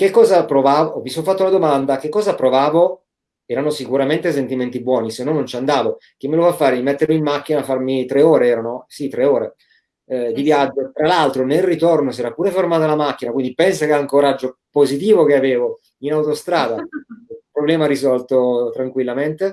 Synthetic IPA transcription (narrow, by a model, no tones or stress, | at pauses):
kekːɔːzapɾovaːvovisoɱfat̪ːounad̪omand̪akekːɔːzapːɾovaːvo | ɛːɾanosikuɾament̪es̬ent̪iment̪ibwɔːnisenːɔnːont͡ʃand̪aːvo | k̟emːelofafːaːɾeimet̪ːeɾmimːak̟ːinafarmit̪ɾeoːɾeɛːɾanosit̪ːɾeoːɾe | d̪ivjad͡ʒːot̪ɾalalt̪ɾonelrit̪ornos̬ɛːɾapːuːɾefermaːt̪alamak̟ːinakwind̪ipɛnsakeaŋkoɾad͡ʒːopozit̪̬iːvok̟eaveːvo | inawt̪ost̪ɾaːd̪a | pɾoblɛːmaɾizɔlt̪ot̪ɾaŋkwilːament̪e